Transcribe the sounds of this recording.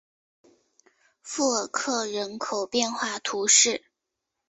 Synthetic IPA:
fu˥˩ə˨˩kʰɤ˥˩ɻə˧˥nkʰo˨˩ʊpjɛ˥˧nxwa˥˩t̪ʰu˧˥ʂɻ̩˥˩

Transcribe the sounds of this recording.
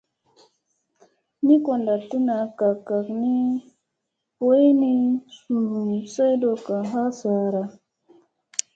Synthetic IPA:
ni˦ko˨nda˨tu˦na˨ka˨ka˨kni˦ | po˦e˦ni˦su˨ɾu˨sa˦jdo˨ka˨ɦa˦sa˨ɾa˨

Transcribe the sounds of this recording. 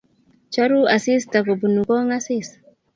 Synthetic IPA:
t͡ʃa˦ɾu˦a˨si˦st̪akobu˨nukɔ˦ŋa˦sis

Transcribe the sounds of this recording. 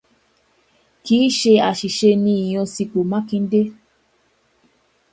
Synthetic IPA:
kiː˦ʃe˧a˨ʃi˨ʃe˧nĩ˧i˨j̃ɔ̃˧si˧ko˨mã˦kĩ˧n̩˦de˦

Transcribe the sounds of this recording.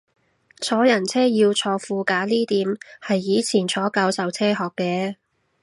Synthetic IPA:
t͡sʰɔː˨˥jɐ˨˩nt͡sʰɛː˥jiː˧wt͡sʰɔː˧fuː˧kaː˨˥liː˥t̪iː˨˥mhɐ˨jːiː˨˧t͡sʰiː˨˩nt͡sʰɔː˨˥kaː˧wsɐ˨wt͡sʰɛː˥ɦɔː˨˩kːɛː˧

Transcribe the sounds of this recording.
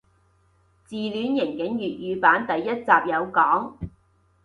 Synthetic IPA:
t͡siː˨lyː˨˥njɪ˨˩ŋkɪ˨˥ŋjyː˨t̚jyː˨˧paː˨˥nt̪ɐ˨jːɐ˥t̚t͡saː˨p̚jɐ˨˧wkɔː˨˥ŋ

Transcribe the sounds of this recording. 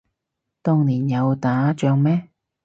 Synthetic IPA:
t̪ʊ˧ŋniː˨˩njɐ˨˧wt̪aː˨˥t͡ʃœː˧ŋmɛː˥

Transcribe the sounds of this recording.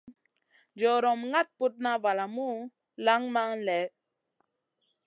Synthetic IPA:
d͡ʒɔ˨ɾɔ˨mŋa˦t̚pu˦t̚na˦va˨la˨mu˦ | la˦ŋma˦ŋlɛ˨˦

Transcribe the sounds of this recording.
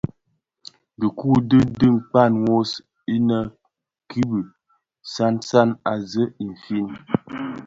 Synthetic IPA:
də˨ku˦˨də˦dɨ˦ŋ˨k͡pa˦˨nwo˦s | i˦nə˦ | kʰi˦bə˨ | sa˦nsa˦na˨zə˦i˨ɱ˨fi˦n

